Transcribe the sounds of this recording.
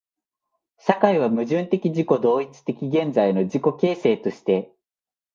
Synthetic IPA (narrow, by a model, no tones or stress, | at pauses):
ɕakaiβ̞amɯ̟ʑɨ̃nt̪e̞kʲiʑiko̞d̪o̞ːit͡sɨ̥t̪e̞kʲiɡẽ̞nd͡zaino̞d͡ʑiko̞ke̞ːse̞ːt̪o̞ɕi̥t̪e̞